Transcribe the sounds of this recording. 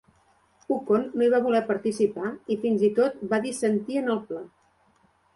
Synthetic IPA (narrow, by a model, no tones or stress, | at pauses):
ukonːoiβaβulɛpəɾt̪isipaifinzit̪ot̪̚baðisənt̪iənəlˠpla